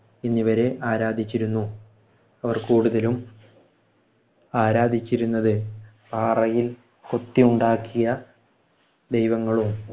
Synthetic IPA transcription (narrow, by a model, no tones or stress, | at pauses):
enːiʋɐɾe̞ʔaːɾaːd̪ʱit͡ɕːiɾunːu | ɐʋɐrkuːɽuðɐlum | aːɾaːd̪ʱit͡ɕːiɾunːɐðɨ | paːrɐjil | kot̪ːiuɳɖaːkːijɐ | d̪ejʋɐŋːɐɭum